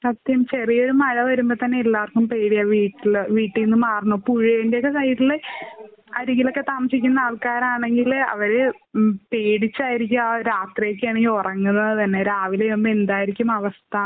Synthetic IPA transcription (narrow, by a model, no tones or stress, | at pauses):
sɐt̪jɐmt͡ɕerijo̞ɾumɐɻɐʋɐɾumbot̪ɐnːe̞elːaːrkumpe̞ːɽijɐʋiːʈːilʋiːʈːilnːɨmaːrnopuɻijendejokːesɐjʈːile | ɐɾiɣilo̞kːe̞t̪aːmɐsikʲːumnːɐaːɭkaːɾaːɳe̞ŋɡilɐ̰ʋɐɾe | peːɽit͡ɕːaːjiɾik̬ʲːuaɾaːt̪rijok̬ʲːɨjaːɳeorɐŋːunːɐðɨt̪ɐnːeɾaːʋileombend̪aːjiɾikʲːumɐʋɐst̪ʰa